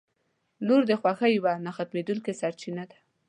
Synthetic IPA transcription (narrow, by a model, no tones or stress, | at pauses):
luɾd̪əxwaxajwanaxat̪med̪ulkesaɾt͡ʃinad̪ḁ